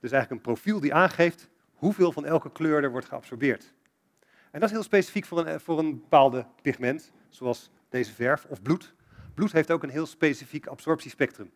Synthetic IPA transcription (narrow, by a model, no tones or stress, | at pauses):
d̥ɵsɛjχləkənprowfilˠdiʔaːnχejft | hɦuvɪːlˠvɑnɛlˠkəkløːɹdəɹʋɔɹtχəɑ̰psɔɹbɪːɹt | ɛndɑtɪsɦɪːlˠspejsi̥fikfvʊːɹənbəpaːlˠdəpɪχmɛnt | soɑlˠs | d̥ejzəvɛɹfɔvblut | b̥lutɦejftowkənɦɪːlˠspejsifikɑpsɔɹpsispɛk̚trəm